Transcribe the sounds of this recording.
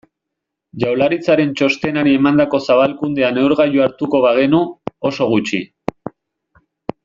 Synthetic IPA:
ʝawlaɾit͡saɾe̞nt͡ʃo̞st̪e̞naɾie̞mand̪ako̞saβalkund̪e̞ane̞uɾɣajuaɾt̪uko̞βaɣ̞e̞nuoso̞ɣ̞ut͡ʃḭ

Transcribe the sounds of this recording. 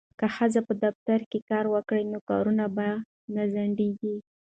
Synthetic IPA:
kaxəzapəd̪aft̪aɾkekɑɾwəkɽənokɑɾunaba | nazaɳɖeɡi

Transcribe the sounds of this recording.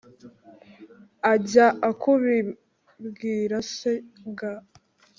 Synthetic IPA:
aɟaʔakʰuβi | bɡiːɾaseɡa

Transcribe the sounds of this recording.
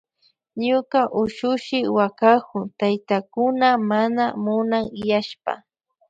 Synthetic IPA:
ɲʊkaʔʊʃʊʃɪwakakʊt̪ajt̪akʊnamanamʊnaŋjaʃpa̰

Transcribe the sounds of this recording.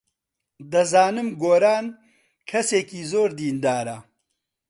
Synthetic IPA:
d̪ɐzaːnɨmɡoːɾaːn | kʰɐseːkiːzoːɾd̪iːnd̪aːɾɐ

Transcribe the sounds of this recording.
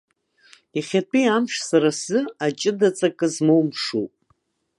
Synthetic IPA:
iχʲatʰiamʂsaɾasɨat͡ʃʼɪdat͡sʼakʼɨzmowmʂṵpʼ

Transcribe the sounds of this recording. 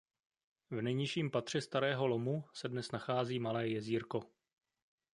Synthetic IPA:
vnɛjɲɪʃiːmpat̪r̝̥ɛst̪aɾɛːɦo̞lomusɛdnɛsnaxaːziːmalɛːjɛziːɾko̞

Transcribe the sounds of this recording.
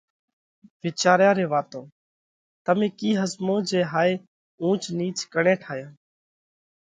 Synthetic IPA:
ʋeːt͡ʃaːɾjãːɾeːʋaːt̪õː | t̪əmẽːkiːɦəzmõːd͡ʒeːɦaːeː | ũːt͡ʃniːt͡ʃkəɳẽːʈʰaːjãː

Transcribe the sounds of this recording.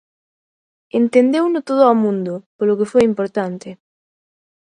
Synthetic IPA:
ent̪end̪ewnʊt̪oð̞ʊamũnd̪ʊpolʊkefojimpoɾt̪ant̪ɪ

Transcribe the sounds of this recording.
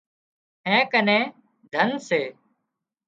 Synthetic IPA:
ɛ̃ːkənɛ̃ː | d̪ʱənseː

